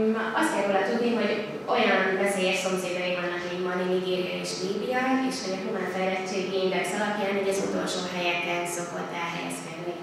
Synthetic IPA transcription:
ɒst̪ɛroːlɒt̪ud̪niɦo̞ɟ | o̞jɒnvɛseːjɛʃso̞mseːd̪jɒjivɒnɒkimɒniliɡeːrɒeːʃliːb̪ijɒeʃhoɟɒkuɡant̪ɒɛlɛt͡ʃːeːɡiind̪ɛksɒlɒpjaːnuɟɒzut̪o̞lʃo̰ːɦɛjɛkːɛnso̞ko̞t̪ːɛlɦɛ̰jɛ̰skɛd̪ni

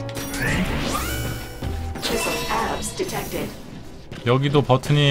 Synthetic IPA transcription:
t͡ʃʰɪsəaɹbsd̥itʰɛk̚tɪ̰d̥ | jʌɡidopʌtʰɯɲi

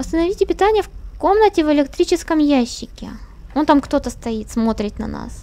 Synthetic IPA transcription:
əst̪ənɐvʲitʲɪpʲɪt̪anʲɪjəfko̞mnətʲɪvɨlʲɪkt̪ɾʲit͡ɕɪskəmjæɕːɪkʲɪ̰ | ont̪amkt̪o̞t̪əst̪ɐit̪smo̞t̪ɾʲɪt̪nɐ̰na̰s

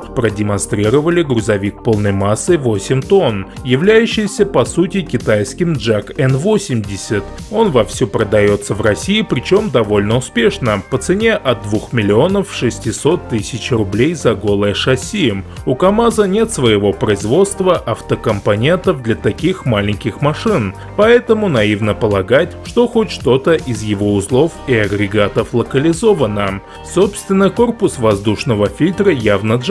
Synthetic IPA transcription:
pɾədʲɪmɐnst̪ɾʲiɾəvəlʲɪɡɾʊzɐvʲik̚po̞lˠnəjmasːɨvo̞sʲɪmʲt̪o̞njɪvlʲæjʉɕːɪjsʲəpɐsutʲɪkʲɪt̪ajskʲɪmdʐakɛnvo̞sʲɪmdʲɪsʲət̪ | o̞nvɐfsʲupɾəd̪ɐjo̞t̪səvrɐsʲiɪpɾʲɪt͡ɕo̞md̪ɐvo̞lʲnəʊspʲe̞ʂnəpət̪sɨnʲe̞ʔɐd̪ːvuxmʲɪlʲɪo̞nəfʂɨsʲtʲɪso̞t̪ːɨsʲɪt͡ɕrʊblʲejzɐɡo̞lˠəjəʂɐsʲijəmʊkɐmazənʲe̞t̪svəjɪvo̞pɾəɪzvo̞t̪st̪vəʔɐft̪əkəmpɐnʲe̞nt̪əfd̪lʲɐt̪ɐkʲixmalʲɪnʲkʲɪxmɐʂɨn | pɐɛt̪əmʊnɐivnəpəlˠɐɡatʲʂt̪o̞xotʲʂt̪o̞t̪əʔɪzjɪvo̞ʊslˠo̞fɪɐɡɾʲɪɡat̪əflˠəkəlʲɪzovənə | sopst̪vʲɪnːɨjko̞rpʊsvɐzd̪uʂnəvəfʲilʲt̪ɾəjavnəʐ

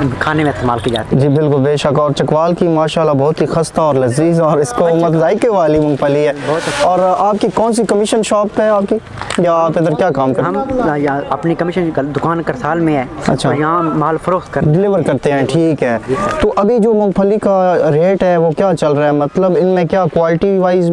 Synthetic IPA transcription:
kʰaːnemẽɪst̪emaːlkid͡ʒa̰ːt̪id͡ʒiːbɪlkʊlbeːʃɐkɔːɾt͡ʃɐkʋaːlkimaːʃaːlːabɔːt̪ɦixɐst̪aɔːɾlɐziːzɔːɾɪskomɐt̪zaːikeʋaːlimʊ̃ŋɡpʰəliɦɛːbɔːɔːɾaːp̚kikɔːnsikɐmɪʃənʃɔːpɦɛaːpki | jaaːpɪd̪əɾkjaːkaːmkɐɾɦɐjɐpnikɐmɪʃənd̪ʊkaːnkɐɾsaːlmẽɛːɐ̰tːʃʰajɐɦãmaːlfʰɐɾoːxt̪̚kɐɾɖɪlɪʋəɾkɐɾt̪eɦɛ̃ʈʰiːkɦɛːt̪oːʔɐbʱid͡ʒoːmʊ̃ŋɡpʰəlikaɾeːʈɦɛʋokjaːt͡ʃɐlɾaɛmɐt̪ləbɪnmẽkjaːkwʋaːlɪʈiʋaːɪz

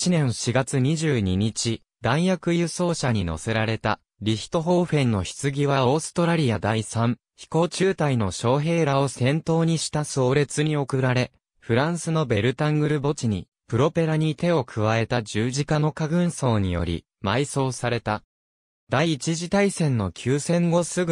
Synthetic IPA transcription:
it͡ɕinẽɰ̃ɕiɡat͡sɨɲ̟iʑɨːɲ̟iɲ̟it͡ɕi | d̪ãɰ̃jakɯ̟jɯ̟so̞ːɕaɲ̟ino̞̰se̞ɾaɾe̞t̪a | ɾʲiçi̥t̪o̞ɦo̞ːɸẽ̞nːo̞çi̥t͡sɨɡʲiβaoːsɨ̥t̪o̞ɾaɾʲijad̪aisãɴ̃ | çi̥ko̞ːt͡ɕɨːt̪aino̞ɕo̞ːɦe̞ːɾao̞sẽ̞nt̪o̞ːɲ̟iɕi̥t̪aso̞ːɾe̞t͡sɨɲ̟io̞kɯ̟ɾaɾe̞ | ɸɯ̟ɾãɰ̃sɨno̞be̞ɾɯ̟t̪ãŋɡɯ̟ɾɯ̟bo̞t͡ɕiɲ̟ḭ | pɯ̟ɾo̞pe̞ɾaɲ̟it̪e̞o̞kʰɯ̟β̞ae̞t̪ad͡ʑɨːʑikano̞kaɡɯ̟̃ɰ̃so̞ːɲ̟ijo̞̰ɾʲḭ | maiso̞ːsaɾe̞t̪a | d̪aiːt͡ɕiʑit̪aisẽ̞nːo̞kʲʰɨːsẽ̞ŋɡo̞sɨɡɯ

